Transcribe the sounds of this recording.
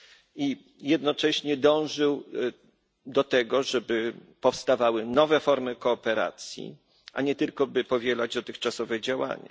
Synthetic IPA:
i | jɛd̪nɔt͡ʂɛɕɲɛd̪ɔ̃w̃ʐɘw | d̪ɔt̪ɛɡɔʐɛbɘpɔfst̪avawɘnɔvɛfɔɾmɘkɔːpɛɾa̰t̪sʲjḭ | ʔaɲɛt̪ɘlkɔbɘpɔvʲjɛlad͡ʑd̪ɔt̪ɘxt͡ʂasɔvɛd͡ʑawa̰ɲa̰

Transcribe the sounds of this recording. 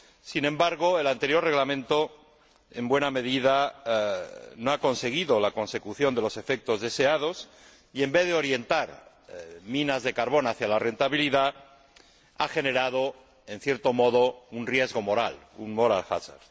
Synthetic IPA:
sinẽ̞mbaɾɣoelant̪eɾjo̞rreɣlamẽnt̪o | embwe̞name̞ðiða | noako̞nse̞ɣ̞iðolako̞nse̞kuθjo̞nd̪elo̞se̞fek̚t̪o̞zðe̞se̞að̞o̞s | ie̞mbe̞θðeoɾje̞nt̪aɾ | mĩnazðe̞kaɾβo̞naθjalare̞nt̪aβiliða | axe̞ne̞ɾað̞o | e̞n̟θje̞ɾt̪o̞moðounrjezɣo̞mo̞ɾa̰lṵnmoɾa̰lxa̰sa̰ɾ

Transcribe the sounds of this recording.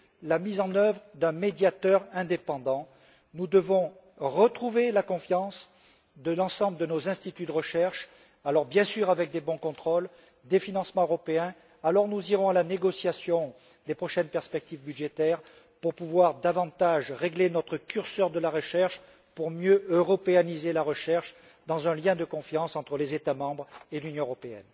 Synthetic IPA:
lamizɑ̃nœvʁəd̪ɛ̃med̪jat̪œʁɛ̃d̪epɑ̃d̪ɑ̃ | nud̪əvɔ̃ | ʁət̪χuvelakɔ̃fjɑ̃s | d̪əlɑ̃sɑ̃bləd̪ənozɛ̃st̪it̪yd̪əʁəʃɛʁʃ | alɔʁbjɛ̃syʁavɛk̚d̪ebɔ̃kɔ̃t̪χɔl | d̪efinɑ̃smɑ̃øʁɔpeɛ̃ | alɔʁnuziʁɔ̃alaneɡɔsjasjɔ̃ | d̪epχɔʃɛnpɛʁspɛk̚t̪ivbydʒet̪ɛʁ | puʁpuvwaʁd̪avɑ̃t̪aʒʁeɡlenɔt̪χəkʲyʁsœʁd̪əlaʁəʃɛʁʃ | puʁmjøøʁɔpeanizelaʁəʃɛʁʃ | d̪ɑ̃zɛ̃ljɛ̃d̪əkɔ̃fjɑ̃sɑ̃t̪χəlezet̪amɑ̃bʁelynjɔ̃øʁɔpeɛ̰n

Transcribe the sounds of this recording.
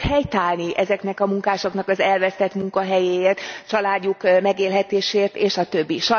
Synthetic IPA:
hɛjt̪aːlniʔɛzɛknɛkɒmuŋkaːʃo̞knɒkɒzɛlvɛst̪ɛt̪muŋkɒɦɛjeːeːrt̪t͡ʃɒlaːɟːukmɛɡeːlɦɛt̪eːʃeːrt̪eːʃɒt̪ø̞bːiʃɒ

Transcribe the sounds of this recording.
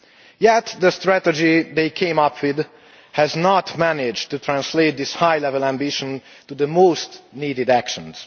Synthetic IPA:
jɛt̪d̪əst̪ɹæt̪ɛd͡ʒid̪eɪkʰẽɪ̃mʌpʰwɪd̪ | hɛznɔtmænɪd͡ʒt̪ːut̪ʰɹæ̃nsleɪt̪̚d̪ɪshajlɛvəlæ̃mbɪʃə̃n | t̪ud̪əmoːst̪niːdɪdækʃə̃nz̥

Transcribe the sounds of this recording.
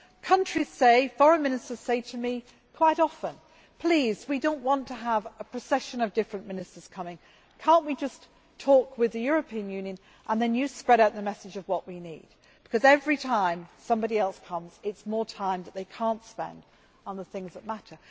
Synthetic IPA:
kʰʌ̃nt͡ʃɹ̥iz̥seɪfɔɹə̃nmɪ̃nɨstə˞z̥seɪɾɨmi | kʰw̥aɪɾɑfə̃n | pʰl̥izwidõʊ̃nʔwɑ̃ntʰɨəvəpʰɹ̥ɨsɛʃɨ̃nʌvdɪfɹɨ̃nmɪ̃nɨstə˞z̥kʰʌmɪ̃ŋ | kʰɑ̃ˑnʔwid͡ʒʌs | tʰɔˑkwɨðɨjʊɹɨpʰĩɨ̃njʉ̃njɨ̃n | ʔə̃nðɨ̃njɨspɹɛɾaʊt̪̚ðəmɛsɨd͡ʒʌvwʌʔwinḭd̚ | b̥ɨ̥kʰʌzɛvɹitʰãɪ̃msʌ̃mbɑɾiɛlˠskʰʌ̃mz̥ɪtsmɔɹtʰãɪ̃mðɨt̪̚ðeɪkʰæ̃ˑntspɛ̰̃nd | n̩ðəθɪ̃ŋzðət̚maɾə˞

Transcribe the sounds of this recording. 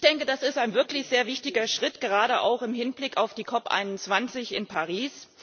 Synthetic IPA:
çd̥ɛŋkədasɪstaɪnvɪɐklɪçz̥eːɐvɪçtɪɡɐʃʁ̥ɪtɡ̥əʁaːɾəʔa̰ʊxɪmɦɪnblɪkaʊfd̥iːkʰɔpʔa̰ɪnʊnt͡sv̥ant͡sɪçɪ̰npʰaʁ̞iːs

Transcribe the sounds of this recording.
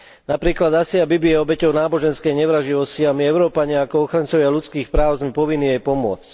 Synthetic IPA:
napɾiːklad̪asiabibiɛɔbɛcɔʊnaːbɔʒɛnskɛjɲɛʋɾaʒiʋɔsciamiɛʊɾɔːpaɲɪaakɔɔxɾant͡sɔʋɪalut͡skiːxpɾaːʊzmɛpɔʋinːiɛjpɔmʊɔ̰t͡sc

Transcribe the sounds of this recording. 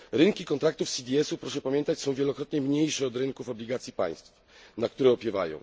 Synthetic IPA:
ɾɘŋkʲikɔnt̪ɾak̚t̪ufsʲid̪ʲiɛsupɾɔʂɛpamʲɛnt̪at͡ɕsɔ̃w̃vʲjɛlɔkɾɔt̪ɲɛmɲejʂɛɔd̪ɾɘŋkufɔblʲiɡat̪sʲipa̰j̃st̪f | nak̚t̪uɾɛɔpʲjɛva̰jɔ̰̃w̃

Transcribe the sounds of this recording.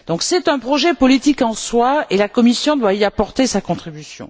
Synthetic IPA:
d̪̥ɔ̃ksɛt̪ɛ̃pχɔʒɛpɔlit̪ikɑ̃swaelakɔmisjɔ̃d̪waiapɔʁt̪esakɔ̃t̪χibysjɔ̰̃

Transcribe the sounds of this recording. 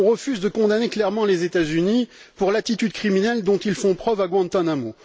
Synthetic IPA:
ɔ̃ʁəfyzd̪əkɔ̃d̪aneklɛʁmɑ̃lezet̪azynipuʁlat̪it̪yd̪kχiminɛld̪ɔ̃t̪ilfɔ̃pχœvaɡwɑ̃nt̪anamo

